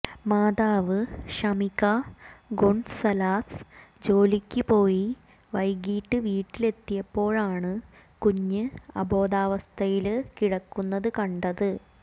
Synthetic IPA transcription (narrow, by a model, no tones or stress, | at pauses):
maːd̪aːʋɨɕɐmikːaɡoɳsɐlaːsd͡ʑo̞ːlikʲːupo̞ːji | ʋɐjɡiːʈːɨʋiːʈːile̞t̪ːijɐpːo̞ːɻaːɳɨ | kuɲːɨɐ̰bo̞ːd̪aːʋɐst̪ʰɐjilkiɽɐkːunːɐðɨkɐɳɖɐðɨ